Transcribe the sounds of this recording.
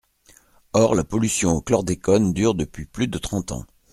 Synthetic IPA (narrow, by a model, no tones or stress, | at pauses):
ɔʁlapɔlysjɔ̃oklɔʁd̪ekɔnd̪yʁd̪əpɥiplyd̪ət̪χɑ̃t̪ɑ̰̃